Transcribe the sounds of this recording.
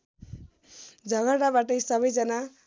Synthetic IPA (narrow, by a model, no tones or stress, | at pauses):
d͡zʌɡaɽabaʈʌjsʌbʌjd͡zʌna